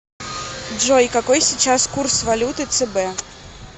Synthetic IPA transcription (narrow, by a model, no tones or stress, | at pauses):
ʐɔjkakɔjsʲit͡ʃaskursvalʲut̪ɨt̪sɛbɛ